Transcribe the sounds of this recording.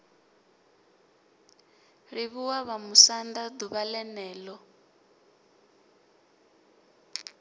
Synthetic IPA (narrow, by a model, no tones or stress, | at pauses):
ɾiβuwaβamusandad̪uβalɛnɛːlɔ